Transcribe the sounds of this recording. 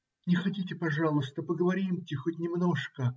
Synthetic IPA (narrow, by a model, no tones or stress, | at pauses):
nʲɪxɐtʲitʲɪpɐʐɑlˠʊst̪əpəɡəvɐɾʲimtʲɪxotʲnʲɪmno̞ʂkə